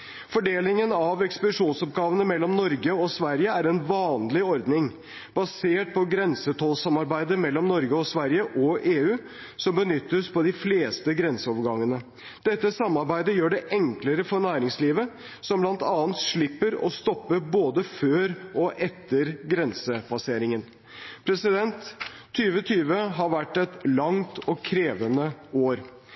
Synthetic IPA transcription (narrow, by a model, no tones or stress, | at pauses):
fɔɖeːlɪŋənɑʋɛkspəd̪ɪʂuːnsɔp̚ɡɑːʋənəmɛlːɔmnɔɾɡəɔsʋæɾjəæɾɛnʋɑːnlɪɔɾd̪nɪŋ | b̥ɑseːʈ̚pʰɔɡɾɛnsət̪ʰɔːlsɑmɑɾbæɪd̪əmɛlːɔmnɔɾɡəɔsʋæɾjəʔɔʔeːʉː | sɔmbənʏt̪ːəspʰɔd̪ɪfleːst̪əɡɾɛnsəɔʋəɾɡɑŋːənə | d̪̥ɛt̪ːəsɑmːɑɾbæɪd̪əjøːɖɛʔɛŋkləɾəfɔɳæːɾɪŋsliːʋə | sɔmblɑnt̪ɑːənt̪ʂɭɪpːəɾɔ̰st̪ɔpːəboːd̪əføːɾʔɔʔɛt̪ːəɾɡɾɛnsəbɑseːɾɪŋən | pʰɾɛsɪd̪ɛnt̪ʰːyːʋət̪ʰyːʋəɦɑɾʋæʈːɛt̪lɑŋt̪ɔkʰɾeːʋənəoːɾ